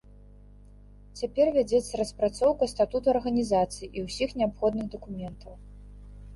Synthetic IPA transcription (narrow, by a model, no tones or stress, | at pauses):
t͡sʲapʲɛrvʲad͡zʲɛt̪sːɐɾɐspɾat̪sɔwkɐst̪at̪ut̪uɐrɣɐnʲizat̪sɨjiʔiwsʲixnʲɛapxɔd̪nɨɣd̪ɐkumʲɛnt̪ʰɐw